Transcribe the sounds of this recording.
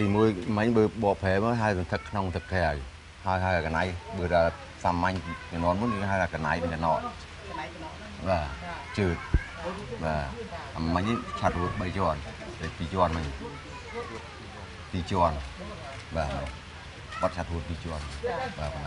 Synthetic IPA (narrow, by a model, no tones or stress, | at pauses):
t̪iːmuəjmɨɲɓəːɓɑːʔpʰɛːp̚məɦaəjsɑnt̪ʰɨkʰːnoŋt̪ʰɨkʰːeaj | haəjɦaəakanajɓəːɾaː | samːaɲikanoənmunəɦaəjt̪ʰakanajmɨɲənɔːʔ | ɓaːt͡ɕəːt̪̚ | ɓaː | amːaɲt͡ɕʰat̪̚huət̪̚ɓəjt͡ɕoənɗəpiːt͡ɕoənmɨɲ | t̪iːt͡ɕoən | ɓaː | ɓɑt̪̚t͡ɕʰat̪̚ɦuət̪̚piːt͡ɕoənɓaːpon